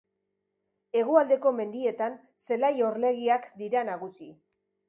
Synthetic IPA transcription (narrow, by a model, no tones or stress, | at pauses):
e̞ɣ̞uald̪e̞ko̞me̞nd̪ie̞t̪an | se̞lajo̞ɾle̞ɣ̞iakd̪iɾanaɣ̞usi